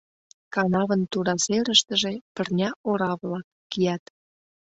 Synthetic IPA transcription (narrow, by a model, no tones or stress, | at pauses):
kɑnɑβənt̪uɾɑseɾəʃt̪əʒe̽pərnʲɑoɾɑβlɑkːijɑt̪